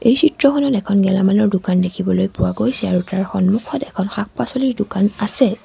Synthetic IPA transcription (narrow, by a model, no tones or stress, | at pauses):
ejsitɹɔkʰɔnɔtɛkʰɔnɡɛlamanɔɹdʊkandekʰibɔlojpʊwaɡojsɛaɹutaɹxɔnmukʰɔtɛkʰɔnxak̚ʰpasɔliɹdʊkanasɛ